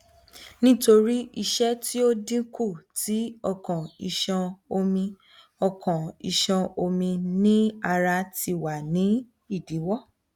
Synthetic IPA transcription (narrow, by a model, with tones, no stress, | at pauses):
nĩ˦to˧ɾi˦i˦˧ʃɛ˦ti˦o˦dĩ˦ku˦˨tʰi˨˦ɔ˦˧˨kɔ̃˨i˨ʃɔ̃˧o˧mĩ˧ | ɔ˧kɔ̃˨i˨ʃɔ̃˧o˧mĩ˧nĩ˦a˧ɾa˧ti˧wa˨nĩ˨˦ | i˦˨di˨˦wɔ˦˨